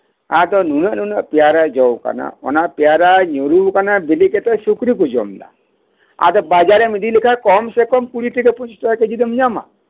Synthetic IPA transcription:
at̪ɔnunəʔnunəʔpijaɾad͡ʒɔwka̰na̰ɔ̰napjaɾaɲuɾukanabiliket̪ɔsukɾik̬ud͡ʒɔ̰mla̰ | a̰t̪ɔbad͡ʒaɾemid̪ilikʰakɔmsekɔmkuɽit̪ikeput͡ʃstɔked͡ʒid̪emɲama̰

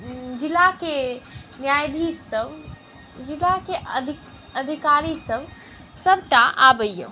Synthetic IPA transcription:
d͡ʒilakenjajd̪ʱisəb | d͡ʒilake | əd̪ʱikaɾisəb | səbʱʈaʔabəjjo

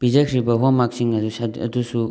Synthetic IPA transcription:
bizɐkʰɾibɐɦomaksiŋɐsɐ̰dusu

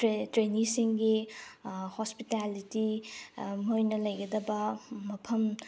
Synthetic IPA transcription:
tɾenisiŋɡi | hospitaliti | mojnɐlɐjɡɐdɐbɐmɐpʰɐm

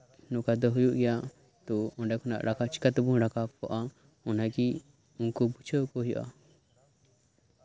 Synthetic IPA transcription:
nukad̪ɔɦujuʔɡɛjaʔ | t̪ɔɔnɖɛkʰɔna̰ʔɾakat͡ʃi̥kat̪ɛbunɾakapkɔʔa | ɔnaɡi | unkɔbut͡ʃʰəkɔɦjɔ̰ʔa̰

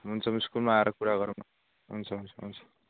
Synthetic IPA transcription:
ɦunt͡sʰʌmiskulmaːeɾʌkuɾaɡʌɾn | ɦunt͡sʰʌɦunt͡sʰʌɦunt͡sʰʌ̥

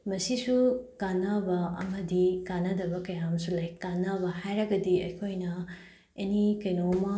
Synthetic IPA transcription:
mɐsisukanːɐbɐɐ̰mɐdikanɐdɐbɐkɐjamɐsulajkːanːɐbɐhajɾɐɡɐdiɐjkʰojnɐ | enikɐjnomɐ

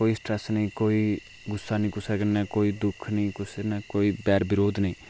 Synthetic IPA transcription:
oːiːsʈɾɛsnəĩːkoːi | ɡʊsːaːnĩːkʊsɛːkənɛːkoːiːd̪ʊkʰnəĩːkʊsnɛːkoːiːbɛːɾbɪɾoːd̪nəĩː

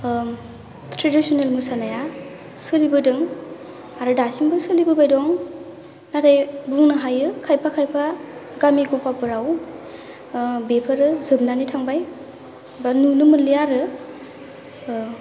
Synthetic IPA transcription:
tʰɾedisonelmɯsanaja | sɯlibɯdɯŋ | aɾɯdasimbɯsɯlibɯbajdɔŋ | natajbuŋnɯɦajɯkʰajpʰakʰajpʰaɡamiɡupapɯɾaw | bepʰaɾɯzɯb̚nanitʰaŋbaj | banunɯmɯnlijaɾɯ

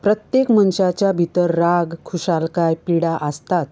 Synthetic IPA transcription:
pɾət̪jekmənɕat͡ɕjabʱit̪əɾːaɡkʰuɕalkajpiɽaʔəst̪at̪

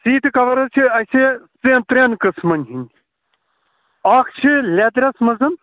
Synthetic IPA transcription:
siːt̪ɨkɐʋɐɾɐt͡ʃʰiɐsʲet͡sent̪ɾʲenkɨsmɐnʲɦinʲ | aːkʰt͡ʃʰilʲet̪̬ɾʲɐsmɐzɨn

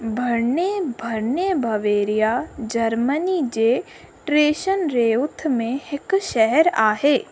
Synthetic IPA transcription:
bʱɐɾnebʱɐɾnebʱɐʋeːɾijad͡ʒɐɾmənid͡ʒeː | ʈɾeːʃənɾeːʊt̪ʰmẽhɪkʃɛɦɛɾaːɦeː

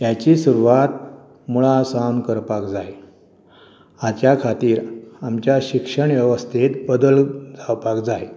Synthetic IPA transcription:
jat͡ɕisuɾuʋat̪̚ | muɭasawnkəɾpakd͡zaj | at͡ɕjakʰat̪iːɾamt͡ɕjaɕikʂəɳʋjɛʋəst̪ʰit̪bəd̪əld͡zawpakd͡zaj

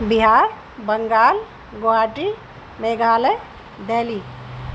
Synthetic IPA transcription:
biɦaːɾ | bəŋɡaːl | ɡoaːʈi | meːɡaːləj | d̪eːli

